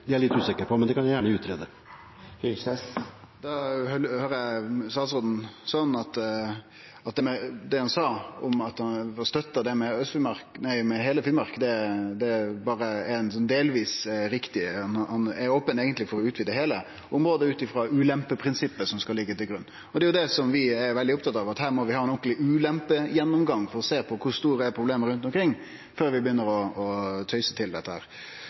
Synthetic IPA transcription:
d̪ɪæɭɪt̪ːʉːsɪkəɾpʰɔmɛnd̪ɛkʰɑnjæjæːɳəʉːt̪ʰɾeːd̪ə | hɛ | d̪ɑhœhøːɾəæst̪ɑːt̪sʁod̪n̩sɑːɑnɑt̪ | ɑt̪̚d̪ɛmɛd̪ɛhɑnsɑːɔmɑt̪hɑnɑst̪œt̪ːɑd̪ɛmɛœst̪fɪlmɑɾknæɪmɛɦeːləfɪlmɑɾkd̪ɛd̪ɛbɑːɾəænsɔnd̪eːlʋiːsɾɪkt̪ɪɑnhɑnɛɾoːpəneːɡənt̪lɪfɔɾɔʉːt̪ʋiːd̪əɦeːlə | ʔʊmɾoːd̪əʉːt̪ɪfɾɑʉːlɛmpəpʰɾɪnsɪpːəsɔmskɑlɪɡːət̪ɪlɡɾʉnː | ɔd̪ɛjʊd̪ɛsɔmʋɪɛɾʋɛld̪ɪʊp̚t̪ɑt̪ːɑːʋɑt̪hæːɾmɔʋɪhɑːɛnɔklɪʔʉːlɛmpəjɛnːʊmɡɑŋːfɔɾɔseːpʰɔkʰʊst̪uːɾəæɾpʰɾʊbleːməɾʉnt̪ɔmkʰɾɪŋː | føːɾʋɪbəjʏnːəɾɔɔt̪ʰœʏsət̪ʰɪld̪ɛ̰t̪ːəhæ̰ːɾ

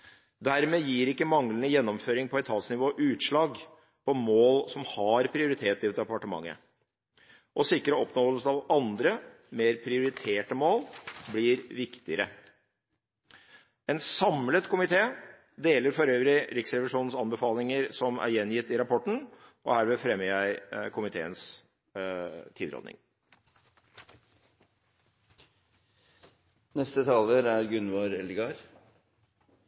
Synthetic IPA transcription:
d̪æɾmeːjiːɾɪkːəmɑŋlənəjɛnːɔmføːɾɪŋpʰɔɛt̪ʰɑːsnɪʋoːʔʉːt̪ʂɭɑːɡ | pʰɔmoːlsɔmhɑɾpʰɾɪʊɾɪt̪ʰeːt̪ɪʋt̪ɑpɑʈəmɑ̰ŋːə̰ | ʔɔsɪkːɾəɔpnoːəlsəɑʋɑnd̪ɾə | meːɾpʰɾɪʊɾɪt̪ʰeːʈəmoːlblɪːɾʋɪkt̪ɪəɾə̰ | ɛnsɑmlət̪kʰʊmɪt̪ʰeː | d̪eːləɾfɔɾøːʋɾɪɾɪksɾɛʋɪʂuːnn̩sɑnbəfɑːlɪŋəɾsɔmæ̰ɾjɛnːjɪt̪ːɪɾɑpʰɔʈɳ̩ʔɔ̰hæːɾmeːfɾɛmːəɾjæɪkʰʊmɪt̪ʰḛːəns | t̪ʰiːd̪ɾɔ̰d̪nɪ̰ŋ | nɛst̪ət̪ʰɑːləɾæɾɡʉnʋɑɾɛlɡɑɾ

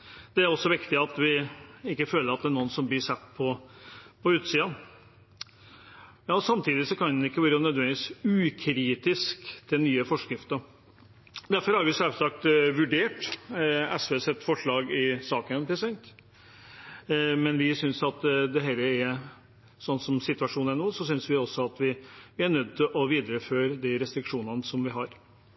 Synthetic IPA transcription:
d̪̥ɛæɾɔsːɔʋɪkt̪ɪɑt̪ʋɪɪkːəføːləɾɑt̪̚d̪ɛæɳuːənsɔmblɪʂɛt̪ːpʰɔpʰɔʉːt̪siːɑn | jɑːɔsɑmt̪ʰiːd̪ɪsɔkʰɑnɪkːəʋøːɾənœd̪ʋɛnd̪ɪʋiːsʉːkʰɾiːt̪ɪskt̪ʰɪlnyːəfɔʂkɾɪft̪əɾ | d̪æɾfɔɾhɑɾʋɪsɛlsɑk̚t̪ʋʉɖeːʈ | ɛsʋeːsɛt̪ːfɔʂɭɑːɡɪsɑːkənpʰɾɛsɛnt̪ | mɛnʋɪsʏnsɑt̪d̪ɛɦɛːləæ | sɔnːsɔmsɪt̪ʉɑʂuːn̩æɳuːsɔsʏnsʋɪɔsːɔɑt̪ʋɪʋɪæɳœd̪̚ːt̪ʰɪlʔɔʋiːd̪ɾəføːɾəd̪ɛɾɛst̪ɾɪkʂuːnənəsɔmʋɪɦɑɾ

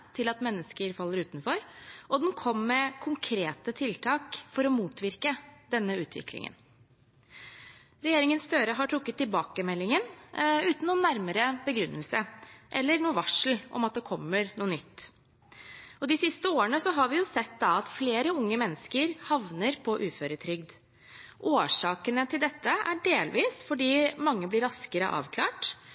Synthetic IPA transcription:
t̪ʰɪlɑt̪mɛnːəskəɾfɑlːəɾʉːt̪nfɔɾʔɔd̪ɛmkʰɔmːmɛkʰʊŋkʰɾeːt̪ət̪ʰɪlt̪ʰɑːkfɔɾɔmuːt̪ʋɪɾkəd̪ɛnːəʉːt̪ʰʋɪ̰klɪ̰ŋə̰n | ɾɛjeːɾɪŋənst̪øːɾəɦɑʈʰɾʊkːət̪ːɪlbɑːkəmɛlːɪŋənʉːt̪n̩uːnːæɾməɾəbəɡɾʉnːəlsəʔɛlːəɾɳuːəʋɑʂl̩ʔɔ̰mɑt̪̚d̪ɛkʰɔmːəɾnuːənʏt̪ː | ɔd̪ɪsɪst̪əoːəɳəsɔɦɑɾʋɪjʊsɛt̪ːd̪ɑɑt̪fleːɾəʊŋːəmɛnːəskəɾhɑʋnəɾpʰɔʔʉːføːɾət̪ʰɾʏɡd̪ | ʔoːʂɑːkənət̪ʰɪld̪ɛt̪ːəʔæɖeːlʋiːsfɔɖiːmɑŋːəblɪɾɑskəɾə̰ʔɑ̰ːʋkʰlɑ̰ːʈ

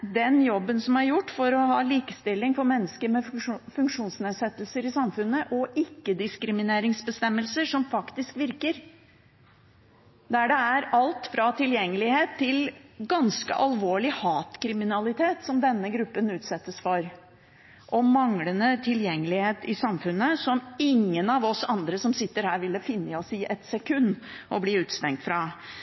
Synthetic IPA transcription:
d̪ɛnjɔbːənsɔmæɾjʊʈːfɔɾɔhɑːliːkəst̪ɪlːɪŋfɔɾmɛnːəskəɾmɛfʉŋkʂuːnsneːd̪sɛt̪ːəlsəɾɪsɑmfʉnːəʔɔʔɪkːəd̪ɪskɾɪmɪneːɾɪŋsbəst̪ɛmːəlsəʂɔmfɑkt̪ɪskʋɪɾkəɾ | d̪æɖɛæɾɑlt̪fɾɑt̪ʰɪljɛŋːəlɪheːt̪ʰːɪlɡɑnskə̰ʔɑlʋoːɭɪhɑːt̪kʰɾɪmɪnɑlɪt̪ʰeːt̪sɔmd̪ɛnːəɡɾʉpːənʉːt̪sɛt̪ːəsfɔɾ | ʔɔmɑŋlənət̪ʰɪljɛŋːəlɪheːt̪ɪsɑmfʉnːəsɔmɪŋːənɑʋɔsɑnd̪ɾəsɔmsɪt̪ːəɾhæːɾʋɪlɔfɪnːəɪɔsiːʔɛt̪sɛkʰʉnːʔɔbliːʉːt̪st̪ɛŋkt̪fɾɑ

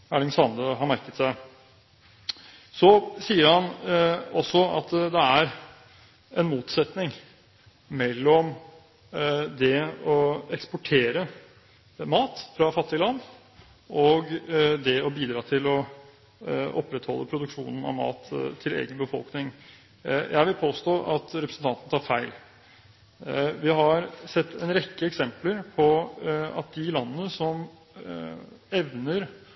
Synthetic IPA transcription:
æɭɪŋsɑnd̪əɦɑɾmæɾkət̪sæɪ | sɔsiːəɾhɑnɔsɔɑ̰t̪d̪ɛæɾ | ɛnmuːt̪sɛt̪nɪŋ | mɛlːɔm | d̪ɛɔɛkspʊʈʰeːɾə | mɑːt̪fɾɑfɑt̪ːɪlɑnd̪ | ʔɔɡd̪ɛɔbiːd̪ɾɑːt̪ʰɪlɔ | ʔɔpːɾɛt̪hɔlːəpʰɾʊd̪ʉkʂuːnn̩ɑ̰ʋmɑ̰ːt̪ʰːɪlḛːɡənbəfɔ̰lˠknɪŋ | jʔæ̰ɪʋɪlpʰoːst̪oːʔɑt̪ɾɛpɾəsn̩t̪ɑnt̪ənət̪ʰɑːɾfæɪl | ʋɪɦɑɾsɛt̪ʰːɛnɾɛkːəɛksɛmpləɾpʰɔɑ̰t̪̚d̪ɪlɑnənəsɔm | ɛʋnəɾ

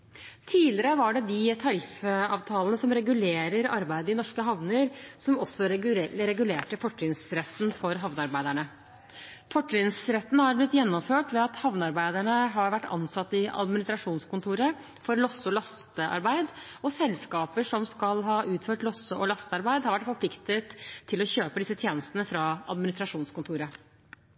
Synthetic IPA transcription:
t̪ʰiːlɪɾəʋɑɖɛd̪ɪt̪ʰɑɾɪfɑ̰ːʋt̪ʰɑːlənəsɔmɾɛɡʉleːɾəɾɑ̰ɾbæɪd̪əɪnɔʂkəɦɑʋnəɾsɔmɔsːɔɾɛɡʉleːʈəfɔʈʰɾɪŋsɾɛt̪ːnfɔɾɦɑʋnəɑɾbæɪd̪æɳə | fɔʈːɾɪŋsɾɛt̪ːn̩hɑɾblɪt̪ːjɛnːɔmføːʈʋɛɑt̪hɑʋnəɑɾbæɪd̪æɳəɦɑɾʋæʈːɑ̰nsɑt̪ːɪʔɑ̰d̪mɪnɪst̪ɾɑʂuːnskʊnt̪ʰuːɾə | fɔɾlɔsːəɔlɑst̪əɑ̰ɾbæɪd̪ | ɔsɛlskɑːpəʂɔmskɑlɦɑːʔʉːt̪føːʈlɔsːəʔɔlɑst̪əɑɾbæɪd̪hɑɾʋæʈfɔɾpʰlɪkt̪ət̪ʰːɪlɔçøːpəd̪ɪsːət̪ʰjeːnəst̪ənəfɾɑɑ̰d̪mɪnɪst̪ɾɑʂuːnskʊnt̪ʰuːɾə

